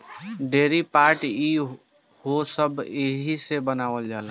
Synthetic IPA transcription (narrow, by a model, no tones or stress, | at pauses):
ɖeːɾipaːɾʈi | hosəbeɦisebənaːʋəld͡ʒaːl